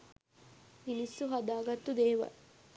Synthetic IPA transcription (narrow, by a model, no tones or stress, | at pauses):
minisːuɦad̪aːɡɐt̪ːud̪eːʋɐ̰